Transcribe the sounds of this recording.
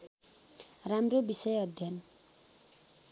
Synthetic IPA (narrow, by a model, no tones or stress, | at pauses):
ramrobisʌjʌd̪ʱjʌn